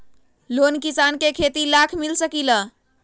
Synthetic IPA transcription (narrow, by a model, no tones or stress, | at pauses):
lonkisankekʰet̪ilakʰmilsəkilə